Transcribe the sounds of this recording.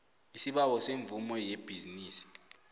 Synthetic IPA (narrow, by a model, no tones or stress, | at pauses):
isiɓawɔseɱvumɔjeb̥ʱiziniːsi̥